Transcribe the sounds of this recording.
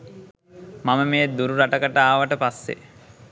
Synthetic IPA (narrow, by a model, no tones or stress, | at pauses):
maməmeːd̪uɾuɾaʈəkəʈəaːʋəʈəpasːḛ